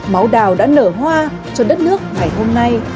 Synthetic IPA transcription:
ma˨˦wɗaː˨˩wɗa̰ː˧˥nəː˧˩ɦwaː˧ | t͡ɕɔ˧ɗə˦˥t̚nɨ˦˥ək̚ŋa˨˩jho˧mna˧j

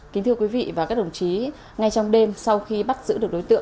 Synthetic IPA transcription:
kï˨˦ŋ̟t̪ɨ˧əkwi˨˦vḭ˧˨vaː˨˩kaː˦˥k̚ɗə˨˩wŋ͡mt͡ɕi˨˦ | ŋa˧jt͡ɕɔ˧wŋ͡mɗe˧msa˧wxi˧ɓa˦˥t̚zɨ̰˧˥ɗək̚ɗo˨˦jt̪ɨ̰˧˨

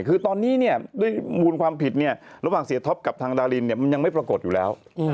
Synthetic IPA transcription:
kʰɯː˧t̪ɔː˧nːiː˦˥ni˥˩ɐədu˥˩əjmuː˧nkʰwaː˧mpʰi˨˩t̪̚ni˥˩ɐɾa˧˥waː˨˩ŋsi˨˦t̪ʰɔ˦˥p̚ka˨˩p̚t̪ʰaː˧ŋdaː˧liː˧nːi˥˩ɐma˧nja˧ŋma˥˩jpɾa˧ko˨˩t̪̚juː˨˩lɛː˦˥w

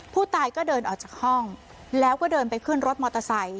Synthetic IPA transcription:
pʰuː˥˩t̪aː˧jkɔː˥˩dɤː˧nʔɔː˨˩k̚t͡ɕaː˨˩k̚hɔ˥˩ŋ | lɛː˦˥wkɔː˥˩dɤː˧npa˧jkʰɯ˥˩nɾo˦˥t̪̚mɔː˧t̪a˧sa˨˦j

